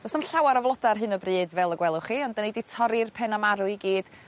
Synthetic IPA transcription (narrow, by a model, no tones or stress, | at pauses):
nɔsəmɬawaɾɔvlˠɔdarɦɨnɔbrɨːdvɛlˠəɡwɛlˠʊχiɔndəniditʰɔɾɪrpʰɛnamaɾʊiɡiːd̥